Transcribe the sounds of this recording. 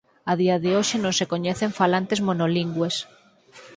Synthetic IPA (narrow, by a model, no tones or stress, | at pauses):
aðiɐðɪoʃɪnõŋsekoɲɛθeɱfalant̪ezmonoliŋɡwes